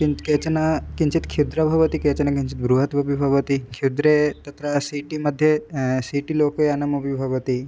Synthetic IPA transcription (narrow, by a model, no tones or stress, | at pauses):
kiket͡sɐnakiɲt͡ʃit̪kʰiwd̪ɾabʱɐʋət̪iket͡ɕɐnakiɲt͡ɕit̪̚bɾuɦət̪bɐbibʱɐʋət̪ikʰid̪ɾet̪ɐt̪ɾasiʈiməd̪ʱːjesiʈilokojɐnɐmɐbibʱɐʋət̪i